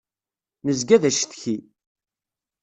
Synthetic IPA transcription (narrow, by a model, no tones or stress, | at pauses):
nəzɡæðæʃθçi